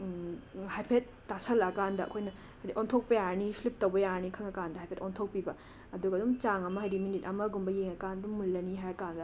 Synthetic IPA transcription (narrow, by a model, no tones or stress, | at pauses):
hajpʰet̚ːasɐlɐkandɐɐ̰kʰojnɐ | hɐjɾiʔontʰok̚pɐjanipʰlip̚tɐwbɐjanikʰɐŋɐkandɐɦajpʰetontʰok̚pibɐ | ɐduɡɐːdumt͡ʃaŋɐmɐɦɐjɾiminit̚ɐmɐɡumbɐjeŋɐkandumːulːɐniɦajɐkandɐ